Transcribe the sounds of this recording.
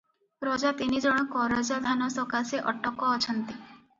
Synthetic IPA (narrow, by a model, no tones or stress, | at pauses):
pɾɔd͡ʒat̪inid͡ʒɔɽ̃ɔkɔɾɔd͡ʒad̪ʱanɔsɔkaseʔɔʈɔkɔːt͡ʃʰɔnt̪i